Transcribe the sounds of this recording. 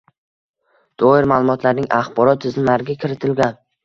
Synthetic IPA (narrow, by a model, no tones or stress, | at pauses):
d̪̥ʰɒɪɾmaːlˠʊmɒt̪ʰlaɾnɪŋʔaχbɒɾɒt̪ʰːɪzɪmlaɾɪɡʲakʲʰɪɾɪt̪ʰɪlɡʲan